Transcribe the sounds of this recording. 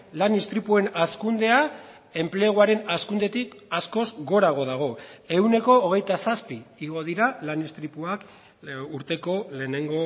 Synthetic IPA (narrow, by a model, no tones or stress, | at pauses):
lanist̪ɾipue̞naskund̪e̞a | e̞mple̞ɣ̞uaɾe̞naskund̪e̞t̪ikasko̞zɣo̞ɾaɣ̞o̞ðaɣ̞o̞e̞wne̞ko̞ːɣ̞e̞jt̪asaspiːɣ̞o̞ðiɾalanist̪ɾipuak | uɾt̪e̞ko̞le̞ːne̞ŋɡo̞